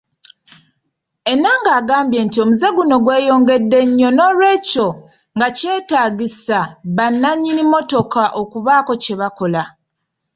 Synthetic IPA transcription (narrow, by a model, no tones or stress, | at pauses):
e̞naŋɡaːɡaːmbje̞ːntio̞muze̞ɡuno̞ɡwe̞ːjo̞ːŋɡe̞dːe̞ɲːo̞no̞ːlwe̞ːco | ŋɡace̞ːtaːɟisaβanːaɲːinimo̞to̞kaʔo̞kuβaːko̞ce̞βako̞la